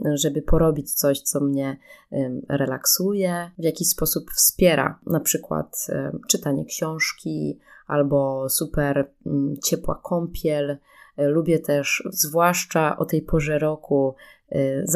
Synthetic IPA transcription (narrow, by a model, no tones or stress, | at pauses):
ʐɛbɘpɔɾɔbʲit͡ɕt̪sɔɕt̪sɔmɲɛ | ɾɛlaksujɛvʲjakʲiɕspɔsupfspʲjɛɾa̰napʂɘkwa̰t̪t͡ʂɘt̪aɲɛ̰kɕɔ̃w̃ʂkʲiʔalbɔsupɛɾ̩t͡ɕɛpwa̰kʰɔmpʲjɛlː | ubʲjɛt̪ɛʂzvwaʂt͡ʂaʔɔ̰t̪ɛjpɔʐɛɾɔku | z